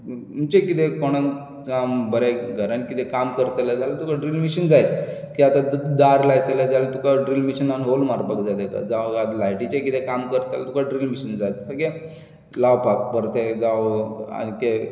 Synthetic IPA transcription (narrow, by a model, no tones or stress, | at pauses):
ut͡ɕekit̪ekoɽ̃ən | kambəɾeɡʱəɾənkit̪ekamkəɾt̪ləd͡zalat̪ukaɖɾilmiɕənd͡zajt̪̚kiat̪ad̪aɾlajt̪elad͡zalt̪ukaɖɾilmiɕənanɦolmaɾpəkd͡zad̪eka̰d͡zaʋad̪lajʈit͡ɕekit̪ekamkəɾt̪elat̪ukaɖɾilmiɕənd͡zajt̪səɡe | laʋpap̚pəɾt̪ed͡zaʋa̰nke